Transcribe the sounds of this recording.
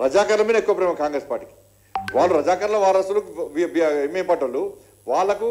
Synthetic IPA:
ɾɐd͡ʒaːkɐɾɐlɐmiːnɐekːuʋɐpɾeːmɐkaːŋɡɾeːspaːɾʈːi̥ki̥ | ʋaːɭːuɾɐd͡ʒaːkɐɾɐlɐʋaːɾɐsuluʋibemempɐʈːɐlu | ʋaːɭːɐku

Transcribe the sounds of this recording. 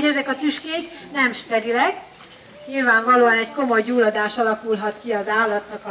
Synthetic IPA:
ɛzɛkɒt̪yʃkeːknɛmʃt̪ɛɾilɛk | ɲilvaːɱvɒloːɒnɛcko̞mo̞jːuːlːɒd̪aːʃɒlɒkulɦɒt̪kiɒzaːlːɒt̪nɒkɒ

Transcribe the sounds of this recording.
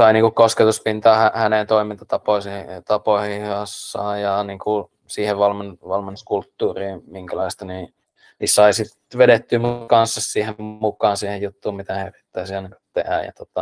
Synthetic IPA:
sɑiniːŋkukkosket̪uspint̪ɑːhæhænent̪oimint̪ɑt̪ɑpoisit̪ɑpoihihɑsːɑ̰ːjjɑniːŋku | siːheʋʋɑlmenʋɑlmenːuskult̪ːuːriːmmiŋkælɑist̪ɑniː | nisɑisit̪ | ʋedet̪ːyːmukɑnsːɑssiːhemmukˑɑːnsiːhejjut̪ːuːmit̪æherit̪ːæisiɑinɑkɑ̥t̪ehæ̰jjɑ̰t̪ot̪ɑ

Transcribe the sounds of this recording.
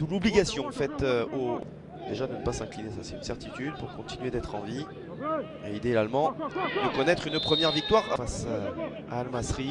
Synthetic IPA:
d̪ulɔbliɡasjɔ̃fɛt̪øo | d̪eʒad̪ənəpasɛ̃klinesasɛt̪ynsɛʁt̪it̪yd̪̚puʁkɔ̃t̪ʰinyed̪ɛt̪χɑ̃vi | eid̪elalmɑ̃d̪əkɔnɛt̪χynpχəmjɛʁvik̚t̪waʁa̰fas | a̰ːlmasχi

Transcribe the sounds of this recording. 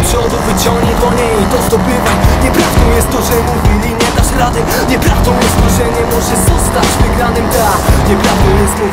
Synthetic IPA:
pʂɔd̪uvɘt͡ɕɔ̃ŋɡɲid̪ɔɲejit̪ɔzd̪ɔpɪvaɲɛpɾavd̪ɔ̃w̃jɛst̪ːɔʐɛmuvʲilʲiɲɛd̪aʂɾad̪ɘ | ɲɛpɾavd̪ɔ̃w̃jɛst̪t̪ːɔʐɛɲɛmɔʐɛzɔst̪at͡ɕvɘɡɾanɘmd̪la | ɲɛpɾavd̪ɔ̃w̃jɛst̪

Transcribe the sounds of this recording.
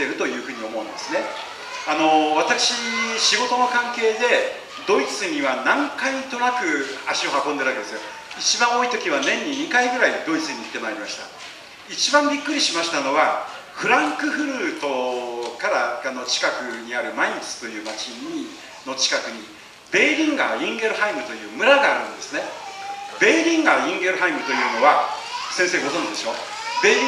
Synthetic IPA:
e̞ɾɯ̟t̪o̞jɯ̟ːɸɯ̟ːɲ̟io̞mo̞ɯ̃nd̪e̞sɨne̞ | ano̞βat̪akɯ̥ɕiɕiɡo̞t̪o̞no̞kãŋke̞ːd̪e̞ | d̪o̞it͡sɨɲ̟iβanãŋkait̪o̞nakɯ̟aɕio̞hakõnd̪e̞ɾɯβaked̪e̞sjo | it͡ɕibãɰ̃o̞it̪o̞kʲiβ̞anẽ̞ɲ̟ːiɲ̟ikaiɡɯ̟ɾaid̪o̞it͡sɨɲ̟iːt̪ːe̞maːɾʲimaɕi̥t̪a̰ | it͡ɕibãmbʲikːɯ̟ɾʲiɕimaɕi̥t̪ano̞ɡa | ɸɯ̟ɾãŋkɯ̟ɸɯ̟ɾɯːt̪o̞kaɾaano̞t͡ɕi̥kakɯ̟ɲ̟iaɾɯ̟maiɲt͡sɨ̥t̪o̞jɯ̟ːmat͡ɕiɲi | no̞t͡ɕi̥kakɯ̟ɲ̟i | b̥e̞ːɾʲĩŋɡaːĩŋɡe̞ɾɯ̟haimɯ̟t̪o̞jɯ̟ːmɯ̟ɾaɡaːɾɯ̟̃nd̪e̞sɨne | be̞ːɾʲĩŋɡaːĩŋɡe̞ɾɯ̟ɦaimɯ̟t̪o̞jɯ̟ːno̞βasẽse̞ːɡo̞zõɲd͡ʑid̪e̞ɕo̞ː | b̥e̞ːɾʲ

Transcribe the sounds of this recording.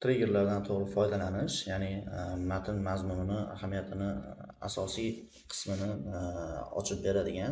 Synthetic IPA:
t̪ʰɾeɡʲeɾlaɾd̪ant̪ʰoʁɾɪfɒjd̪alanɪʃjanɪmat̪ʰɪnmazmʊnɪnɪa̰hamijat̪ʰɪnɪa̰sɒsij | qʰɨ̥smɪnɪ | ɒ̰t͡ʃʰɪp̚be̞ɾad̪ɪɡʲan

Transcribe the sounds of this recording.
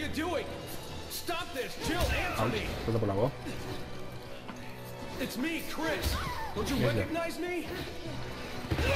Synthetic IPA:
ə˞duɪ̃ŋ | stɑp̚ðɪsd͡ʒɪlˠæ̃nait̪ɔzabɔlawɔ | ɨtsmikʰɹ̥ɪsdõnt͡ʃɨɛkəɡ̚naɪzmi

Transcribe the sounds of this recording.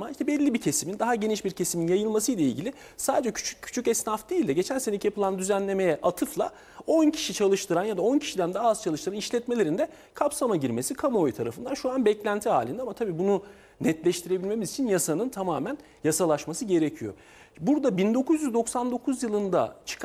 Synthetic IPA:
maiʃt̪ɛbɛlʲːibicʰe̞simind̪aɦaɟe̞niʃbiɾcʰe̞siminjajɯlˠmasɯjlʲˠaḭlʲɟilʲɪ | saːd̪ed͡ʒɛcʰy̥t͡ʃʰykːʰy̥t͡ʃʰycɛsnafd̪iːlʲd̪ɛɟe̞t͡ʃʰænse̞necʰijapʰɯlˠand̪yzænlʲe̞me̞jɛʔat̪ʰɯflˠa | o̞ncʰi̥ʃit͡ʃʰalˠɯʃt̪ɯɾanjad̪ao̞ncʰi̥ʃid̪ænd̪aazt͡ʃʰalˠɯʃt̪ʰɯɾaniʃlʲɛt̪me̞lʲe̞ɾind̪ɛ | kʰapsamaɟiɾme̞sikʰamo̞jt̪ʰaɾa̰fɯnd̪anʃuanbɛclʲænt̪ʰiɦa̰ːlʲind̪ɛamat̪ʰabiːbunu | nɛt̪lʲɛʃt̪ʰiɾebilʲme̞mizit͡ʃʰinjasanɯnt̪ʰamaːmæn | jasalˠaʃmasɯɟe̞ɾecʰijo̞̰ | buɾd̪abind̪o̞kʰuzjyzd̪o̞ksand̪o̞kʰuzjɯlˠɯnd̪a̰t͡ʃʰɯ̥k

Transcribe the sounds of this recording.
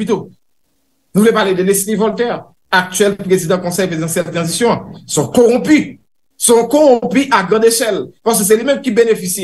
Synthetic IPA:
pit̪o | nuvulɛpaʁled̪əlesnĩvɔlt̪ɛʁ | ak̚t̪ɥɛlpʁezid̪ãkɔ̃sɛjfezd̪ãsjɛlt̪ʁɑ̃zisjɔ̃sɔ̃kɔʁɔ̃pi | sɔ̃kɔʁɔ̃ɔ̃piʔaɡʁãd̪eʃɛlpas̬køs̬ɛlimɛ̃mkibenefisi

